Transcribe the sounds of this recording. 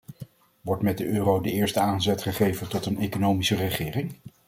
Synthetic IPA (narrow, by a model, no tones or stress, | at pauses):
ʋɔɹtmɛd̚dəøːrowdəɪːɹstəaːnzɛtχəχejvəntɔtənejkonowmisərəχɪːrɪŋ